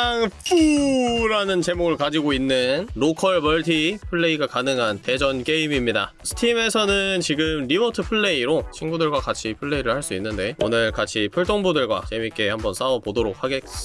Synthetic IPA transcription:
ŋp͈ʰuɾanɯnt͡ɕe̞moɡɯɭkad͡ʑiɡoinːɯnɾokʰʌɭbʌɭtʰipʰɯɭːe̞iɡakanɯŋɦante̞d͡ʑʌnk͈e̞imimɲida | sʰɯ̥tʰime̞sʰʌnɯnt͡ɕiɡɯmɾimʌtʰɯpʰɯɭːe̞iɾot͡ɕʰinɡudɯɭɡwakat͡ɕʰipʰɯɭːe̞iɾɯɭhaɭs͈uinːɯnde̞o̰nɯɭkat͡ɕʰipʰuɭt͈oŋbudɯɭɡwa̰t͡ɕemik͈e̞hambʌns͈ʰaʌpodoɾok̚ʰhaɡek

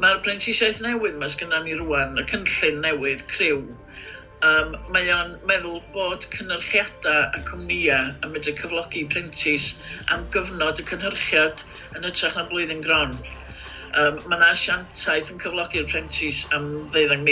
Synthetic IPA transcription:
marpʰrɛntʰɪsaɨθnɛwɨðmasɡ̥ənaniruanəkʰənɬɨnːɛwɨðkʰrɪw | əːmːajanmɛðʊlˠboːd̥kʰənərχjad̥aakʰʊmniaəmɪdəkʰəvlˠɔɡɪpʰrɛntʰɪsa̰mɡəvnɔdəkʰənhərχjad̥ | ənətʰraχnablˠoɨðɪnɡrɔn | əːmːanaʃantʰaɨθənkʰəvlˠɔɡɪrpʰrɛntʰɪsamðeɨðaŋmi

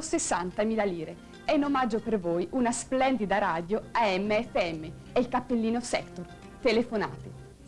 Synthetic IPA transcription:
sesːant̪amiːlaliːɾe | ɛnːomad͡ʒːopervojʔunasplɛnd̪id̪aɾaːd̪joaɛmːeɛfːeɛmːe | eilkapːelːiːnosɛ̰kt̪or | t̪elefona̰ːt̪e

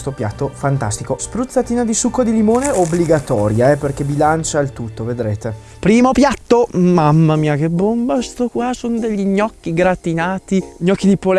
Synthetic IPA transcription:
st̪opja̰t̪ːofant̪a̰st̪ikospɾut̪sːat̪iːnad̪isukːod̪ilimoːneobliɡat̪ɔːɾjaɛperk̟ebilant͡ʃailt̪ut̪ːoved̪ɾeːt̪e | pɾiːmopjat̪ːomamːamiːak̟ebːombast̪okwasond̪eʎːiɲɔkːiɡɾat̪inaːt̪iɲɔkːid̪ipol

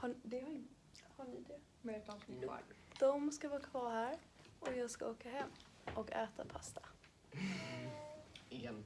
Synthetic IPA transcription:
had̪ɛha | haɳɪd̪ɛ | mɛt̪ansɪa̰ld̪̥ɔmskavɑːkʰvɑːɾhæːɾ | ʔɔjɑːɡskaoːkaɦɛmː | ʔɔkɛːt̪apʰast̪ʰḁ | ɛn

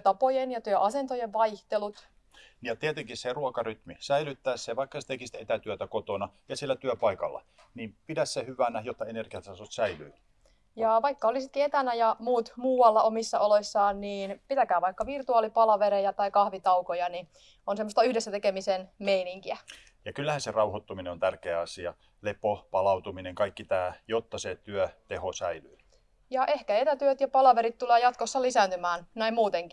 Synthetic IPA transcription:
t̪ɑpojenjɑt̪yøʔɑsent̪ojeʋʋɑiht̪elut̪ | nijɑt̪iet̪eŋkisseruokɑryt̪misæilyt̪ːæːsseʋɑikːɑse̥t̪ekist̪et̪æt̪yøt̪ækot̪onɑjɑsielːæt̪yøpɑikɑ̰lːɑ̰ | nimpidæssehyʋænæjot̪ːɑenerɡiɑt̪sɑsot̪sæily̰ː | jɑʋɑikːɑolisit̪kiet̪ænæjɑmuːt̪muːwɑlːɑʔomisːɑoloisːɑːnniːnpit̪ækæːʋɑikːɑʋirt̪uɑːlipɑlɑʋeɾejɑt̪ɑikɑhʋit̪ɑwkojɑni | onsemːost̪ɑyhdesːæt̪ekemisenmeiniŋkiæ | jɑkylːæhæserɑuhot̪ːumineont̪ærkeæɑsiɑ̰ | lepopɑlɑut̪umineŋkɑikːit̪æːjot̪ːɑset̪yœt̪ehosæilyː | jɑʔehkæet̪æt̪yøt̪jɑpɑlɑʋeɾit̪t̪ːuleːjɑt̪kosːɑlisæːnt̪ymæːnnæimmuːt̪eŋki̥

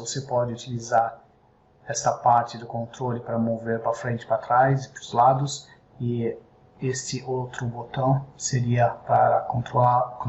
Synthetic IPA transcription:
vosepɔd͡ʒɪut͡ʃilizaɾ | ɛst̪ɐpaɾt͡ʃɪd̪ʊkõnt̪ɾolɪpɾɐmoveɾpɾɐfɾẽnt͡ʃɪ̥pɾat̪ɾajzɪpɾʊzlad̪ʊs | ɪ | est͡ʃɪʔowt̪ɾʊbot̪ɐ̃w̃seɾiɐpɐkõnt̪ɾolak

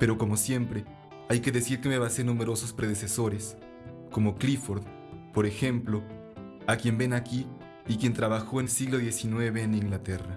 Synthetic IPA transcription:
pe̞ɾo̞ko̞mo̞sje̞mpɾe̞ | ajke̞ðe̞siɾke̞meβase̞ɾnume̞ɾo̞so̞spɾeðese̞so̞ɾe̞s | ko̞moklifo̞ɾð | po̞ɾe̞xe̞mplo̞ | akje̞mbe̞nakiː | kjent̪ɾaβaxo̞enlsiɣlo̞ðje̞sinwe̞βe̞ːniŋɡlat̪e̞ra

